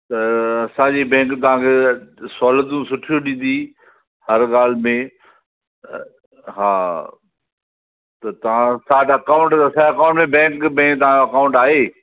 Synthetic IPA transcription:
t̪ɐɐsãd͡ʑibɛ̃ːŋkt̪ɐʋ̤ãkʰesɔːləd̪ũsʊʈʰijoɗĩn̆d̪i | hɐɾɠaːl̤mẽ | ɦaː | t̪ɐt̪ɐʋ̤ãsaːʈɐkãʊ̃ɳʈt̪ɐsãɐkãːʊ̃ɳʈmẽbɛ̃ːŋkbɛ̃ːkt̪ɐʋãɲoɐkaʊ̃ɳʈaːɦeː

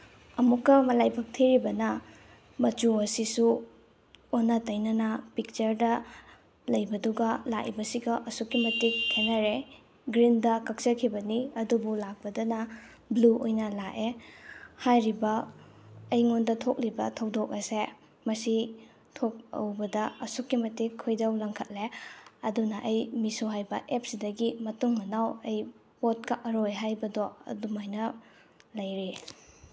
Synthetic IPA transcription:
ɐmukːɐmɐlajpʰɐk̚tʰiɾibɐnɐ | mɐt͡ʃuɐsisu | onːɐtɐjnɐnɐpik̚t͡ʃɐɾdɐ | lɐjbɐduɡɐlaʔibɐsiɡɐʔɐsukːimɐtik̚tʰenɐɾe | ɡɾindɐkɐk̚sɐkʰibɐniɐdubulak̚pɐdɐnɐ | bluʔojnɐlaʔe | hajɾibɐː | jŋondɐtʰok̚libɐtʰɐwdok̚ɐse | mɐsi | tʰok̚ɐ̰wbɐdɐɐsukːimɐtikʰːojdɐwlɐŋkʰɐt̚leɐdunɐʔɐjmisuɦajbɐʔep̚sidɐɡimɐtuŋmɐnawɐj | pot̚kɐʔɐɾojɦajbɐdoɐ̰dumojnɐ | lɐjɾi

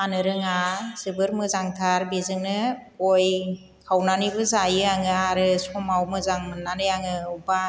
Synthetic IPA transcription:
anɯɾɯŋaz̥ɯbɯɾmɯzaŋtʰaɾbezɯŋnɯoj | kʰawnanibɯzajɯaŋɯaɾɯsɔmawmɯzaŋmɯnːanɯjaŋɯuba

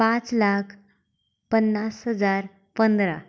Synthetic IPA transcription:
pãt͡slakʰ | pənːasɦəd͡zaɾ | pənd̪ɾa̰

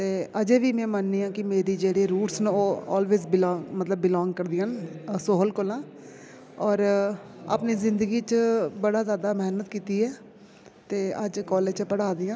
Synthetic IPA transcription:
t̪eːəd͡ʒeːʋiːmɛ̃ːmənːiːãːkɪmeːɾiːd͡ʒeːɽeːɾuːʈsnoːɔ̰ːlʋeːzbɪlɔ̃ːŋmət̪ləbːɪlɔ̃ːŋɡ̚kəɾd̪ɪansoːɦəlkʊlãː | ɔːɾa̰ːpniːzɪ̃nd̪əɡiːt͡ʃbəɽaːzjaːd̪aːmɛːnət̪kiːt̪iːɛː | t̪eːəd͡ʒkɔːleːt͡ʃpəɽaːd̪ɪjãː

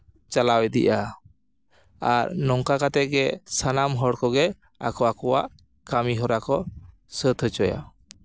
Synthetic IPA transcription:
t͡ʃalawɛd̪ḭʔa | aɾnɔŋkakat̪ɛɡɛsanamɦɔɽkɔɡɛ | a̰kɔakɔwa̰ʔ | kamiɦɔɾakɔ | sət̪ʰət͡ʃɔja̰

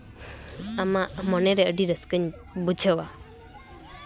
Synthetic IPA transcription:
amaʔmɔnɛɾeəɖiɾəskəɲ | bud͡ʒʱəwa

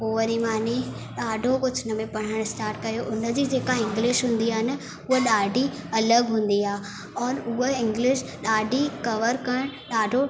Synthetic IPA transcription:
poːəɾimaːni | ɗaːɖʱokʊd͡ʑʰnəmẽpɐɽ̤̃əɽ̃ɪsʈaːɾʈ̚kɐjoʔʊnəd͡ʑiːd͡ʑeːkaɪ̃ŋɡlɪʃɦũːn̆d̪iaːɦɪnɪ̆ | ʊɦəɗaːɖʱiɐləɡɦũːn̆d̪iaː | ɔːɾʊɦəɪ̃ŋɡlɪʃ | ɗaːɖʱikɐʋəɾkɐɽ̃ɗaːɖʱo

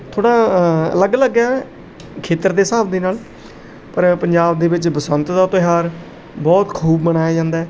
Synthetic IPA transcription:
t̪ʰoːɽaːə̰ləɡələɡɛː | kʰeːt̪əɾd̪eːsaːbd̪eːnaːl | pəɾpəɲd͡ʒaːbd̪eːbɪt͡ʃbəsənt̪d̪aːt̪əɦaːɾ | bɔːt̪kʰuːbmənaːjaːd͡ʒãːnd̪aːɛː

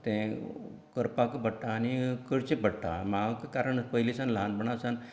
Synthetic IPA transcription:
t̪ɛ̃ | kəɾpakəbəɽʈaːnikəɽt͡ɕẽpəɽʈa̰makakaɾəɳpəilesanləɦanbəɳ̃asãn

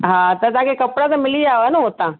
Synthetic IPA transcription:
ɦãːt̪ɐt̪ɐãkekɐpɽat̪ɐ̃mɪlid͡ʒaːʋanɐɦoːt̪ãː

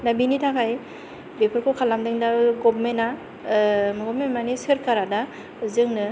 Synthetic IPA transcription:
nabinitʰakʰaj | bepʰɯɾkʰɯkʰalamdɯŋdaɡɔbmena | mɯɡɔmenmanisɯɾkʰaɾada | zɯŋnɯ

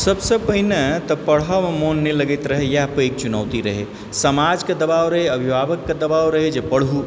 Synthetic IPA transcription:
səbsepəɦinet̪ɔpəɽ̤amemonːiləɡet̪ɾəɦejapeːk̚t͡ʃʊnəːʋt̪iɾəɦe | səmaːd͡ʒkad̪ɐbaːwɾəɦeɐbʱibaːbəkːad̪ɐbaːwɾɐɦed͡ʒepəɽ̤ɦu

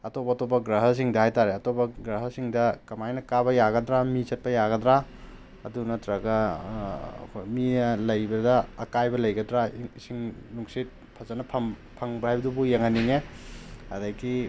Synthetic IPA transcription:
ɐtobɐːtobɐɡɾɐɦɐs̬iŋdɐhajtaɾeɐtobɐɡɾɐɦɐsiŋdɐkɐmajnɐkaβɐjaɡɐdɾamit͡ʃɐt̚pɐjaɡɐdɾa | ɐ̰dunɐtɾɐɡɐ̰ | kʰojmilɐjbɐdɐɐkajbɐlɐjɡɐdɾaisiŋnuŋsit̚ | pʰɐzɐnɐpʰɐmpʰɐŋbɐɦhajbɐdubujeŋaniŋe | ɐdajɡi

